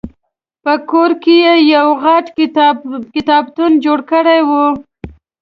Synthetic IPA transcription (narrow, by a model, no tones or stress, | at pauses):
pəkoɾkejejawɣɑʈ | kɪt̪ɑbt̪und͡ʒoɽkəɽajwu